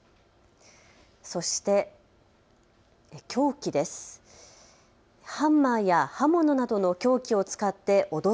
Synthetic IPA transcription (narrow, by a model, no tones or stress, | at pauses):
so̞ɕi̥t̪e̞ | kʲʰo̞ːkʲid̪e̞sɨ̥ | hãmːaːjahamːo̞no̞nad̪o̞no̞kʲo̞ːkʲio̞t͡sɨ̥kat̪ːe̞ʔo̞d̪o